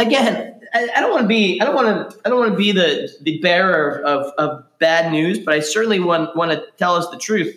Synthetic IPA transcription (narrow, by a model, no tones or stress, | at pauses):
ɨɡɛ̃naaɪɾõʊ̃nʔwɑ̃nəbiaɪɾõʊ̃nʔwɑ̃nɨaɪdõʊ̃nwɑ̃nəbiðɨðɨbɛɹə˞ʌvʌvbædⁿnʉzb̥ʌɾaɪsɜ˞ʔn̩liwɑ̃nwɑ̃nɨtʰɛlˠʌsðɨtʰɹ̥ʉθ